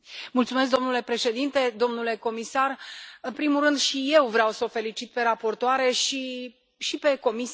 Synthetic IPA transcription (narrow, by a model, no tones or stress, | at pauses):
mult̪sume̞s̬kd̪o̞mnule̞pɾe̞ʃe̞d̪int̪e̞d̪o̞mnule̞ko̞misarɨnpɾimulrːɨnd̪ʃije̞wvɾeawsəofe̞lit͡ʃit̪̚pe̞ɾapo̞rt̪oaɾe̞ʃi | ʃipe̞ko̞mis